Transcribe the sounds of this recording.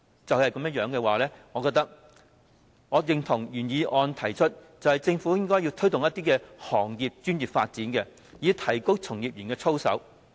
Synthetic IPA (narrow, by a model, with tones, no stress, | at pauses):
t͡sɐ˨whɐ˨jkɐ˨˥mjɐ˥jœː˨˥ŋkɛː˧waː˨lɛː˥ŋɔː˨˧kɔː˧kt̪ɐ˥k̚ | ŋɔː˨˧jɪ˨ŋt̪ʰʊ˨˩ŋjyː˨˩njiː˨˧ʔɔː˧nt̪ʰɐ˨˩jt͡ʃʰɵ˥t̚t͡sɐ˨whɐ˨jt͡sɪ˧ŋfu˨˥jɪ˥ŋkɔː˥jiː˧wt̪ʰɵ˥jt̪ʊ˨ŋjɐ˥t̪̚iː˥kɛː˧hɔː˨˩ŋjiː˨p̚t͡ʃyː˥njiː˨p̚faː˧t̚t͡siː˨˥nkɛ˧ | jiː˨˧t̪ʰɐ˨˩jko˥wt͡sʰʊ˨˩ŋjiː˨p̚jyː˨˩nkɛː˧t͡sʰo˥wsɐ̰˨˥w